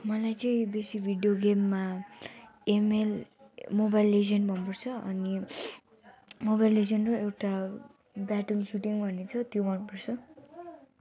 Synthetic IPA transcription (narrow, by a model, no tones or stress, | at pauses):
mʌlajt͡sʌĩbesikbʱiɽijoɡemːa | emelmobajlezʌnbʱʌnpʌrt͡sʰʌʌ̰ni | mobajlezʌnroewʈa | baʈunsuʈiŋbʱʌnet͡sʰʌt̪jobʱʌnpʌrt͡sʰʌ